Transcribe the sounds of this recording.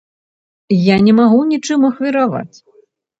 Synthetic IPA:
janʲɛmaɣunʲit͡ʂɨmuɐxvʲiɾava̰t͡sʲ

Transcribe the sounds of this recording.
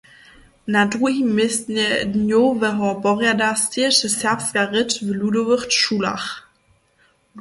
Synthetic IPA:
nadʁuhimɪsnnjovɛɦɔbɔʁjadastʰiəʃəsɛpfɡ̥aʁɪtvəludovəχtʃuːla̰χ

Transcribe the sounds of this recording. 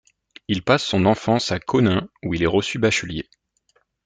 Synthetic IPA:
ilpasːɔ̃nɑ̃fɑ̃sakʰɔnɛ̃uilɛʁəsybaʃylje

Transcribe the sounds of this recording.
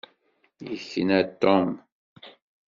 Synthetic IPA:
jəçənæt̪ːɔm

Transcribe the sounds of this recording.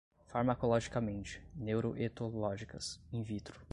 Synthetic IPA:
faɾmakolɔʒikamẽnt͡ʃɪ̥newɾoʔet̪olɔʒikɐsẽj̃vit̪ɾʊ

